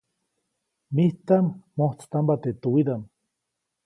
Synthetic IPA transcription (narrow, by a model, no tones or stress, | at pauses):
miht̪anmoht͡st̪ambat̪et̪uwid̪an